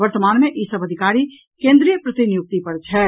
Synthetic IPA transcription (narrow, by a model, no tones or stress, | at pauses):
əɾt̪əmanmeʔisəbʱəd̪ʱikaɾi | kẽnd̪ɾijəpɾət̪injuk̚t̪ipəɾt͡ʃʰɛ